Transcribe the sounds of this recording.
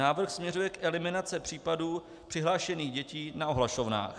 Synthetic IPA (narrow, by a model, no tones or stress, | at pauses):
naːvr̩xsmɲɛrujɛkʔɛlɪmɪnat͡sɪpr̝̥iːpaduː | pr̥ɪɦlaːʃɛniːɣɟɛciːnaoɦlaʃovna̰ːx